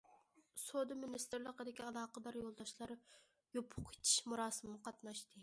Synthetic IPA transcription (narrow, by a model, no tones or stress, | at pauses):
sod̪ɨmɪnist̪ɨɾlˠəqəd̪ɪkʲiɑlˠɑːqəd̪ɑɾjolˠd̪ɑʃlˠɑɾ | jopʰʊqʰe̥t͡ʃ̪ʰi̥ʃmuɾɑːsɨmnɨqʰɑt̪nɑʃt̪ʰɨ